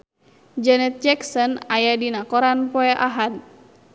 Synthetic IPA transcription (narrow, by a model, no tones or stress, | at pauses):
d͡ʒɛnɛt̪̚d͡ʒɛksɔnajadinakɔɾanpɔɛʔaɦad̪̚